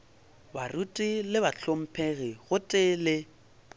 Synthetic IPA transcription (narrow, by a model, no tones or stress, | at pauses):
barutʼilɪbat͡ɬʰom̩pʰeɣiɣʊtʼɪlɪ